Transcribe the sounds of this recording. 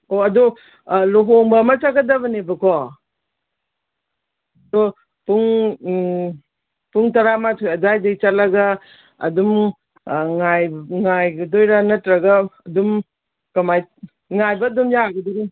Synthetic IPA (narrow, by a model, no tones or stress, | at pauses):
oɐdu | loɦoŋbɐːmɐt͡ʃaɡɐdɐbɐnebɐkʰɔ | dɔ | puŋ | puŋtɐɾamatʰojɐdajdajt͡ʃatlɐɡɐ̰ː | dum | ŋajŋajɡɐdojɾanɐtɾɐɡɐːdum | kɐmaj | ŋajbɐdumjaaɡɐdoɾi